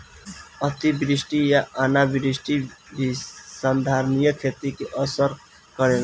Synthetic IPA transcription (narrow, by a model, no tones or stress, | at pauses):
ət̪ibɾɪsʈijaʔanabɾisʈibisand̪ʱaːɾnijəkʰet̪ikeʔəsəɾ | kəɾela